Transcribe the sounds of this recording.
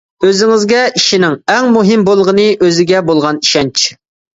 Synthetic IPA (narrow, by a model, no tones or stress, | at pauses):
øzɪŋɪzɡʲɛiʃinɪŋɛŋmuɦɪmbolˠʁənɨʔøzɪɡʲɛbolˠʁɑni̥ʃɛnt͡ʃʰi̥